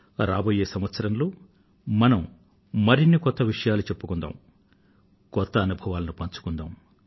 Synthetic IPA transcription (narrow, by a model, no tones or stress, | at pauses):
ɾaːboːje̞ːsɐmʋɐt̪sɐɾɐnloː | mɐnɐm | mɐɾinːikɔt̪ːɐʋiʂɐjaːlut͡ʃe̞pːukund̪a̰ːm | kɔt̪ːɐːnubʱɐʋaːlɐnupɐɲt͡ʃu̥kund̪a̰ːm